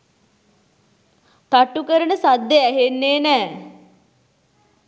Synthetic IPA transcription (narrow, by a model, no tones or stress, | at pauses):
t̪aʈukəɾənəsad̪ːeæɦenːeːnɛː